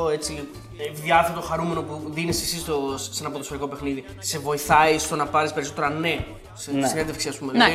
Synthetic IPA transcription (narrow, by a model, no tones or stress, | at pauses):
oe̞t͡si | eðjɐθet̪oxɐɾume̞no̞puðinisesist̪ossenɐpoðosfoɾiko̞pe̞xniði | se̞vo̞iθɐist̪o̞nɐpɐɾispeɾiso̞t̪e̞ɾɐne̞ | ssinend̪efksiɐspume